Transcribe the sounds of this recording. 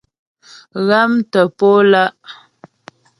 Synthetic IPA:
ɣa˦mtə˨po˦la˦ʔ

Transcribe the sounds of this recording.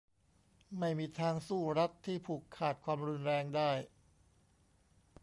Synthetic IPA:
ma˥˩jmiː˧t̪ʰaː˧ŋsuː˥˩ɾa˦˥t̪ʰːiː˥˩pʰuː˨˩kʰːaː˨˩t̪̚kʰwaː˧mɾu˧nɾɛː˧ŋdaː˥˩j

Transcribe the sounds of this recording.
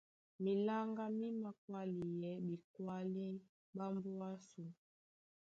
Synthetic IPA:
mi˨la˦ŋɡa˦mi˦ma˨kwa˦li˨jɛ˨bi˨kwa˦li˦ | ba˦mbu˦a˦su˨

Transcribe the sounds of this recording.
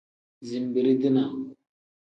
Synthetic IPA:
zi˨m˨bi˨ɾi˦di˦na˨

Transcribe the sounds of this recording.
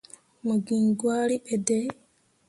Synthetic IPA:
mu˨ɡiːŋɡwa˦li˦ʔe˨de˦

